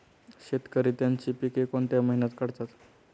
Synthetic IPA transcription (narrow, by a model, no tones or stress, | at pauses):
ɕet̪kəɾiːt̪jaɲt͡ɕiːpikekoɳt̪jaməɦinat̪kəɽt̪at̪